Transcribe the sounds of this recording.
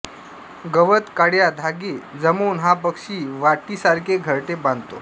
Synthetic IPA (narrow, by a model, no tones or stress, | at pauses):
ɡəʋət̪kaɽjad̪ʱaɡed͡zəmoːnɦapəkʂiːʋaʈiːsaɾkʰeɡʱəɾʈebãnd̪t̪o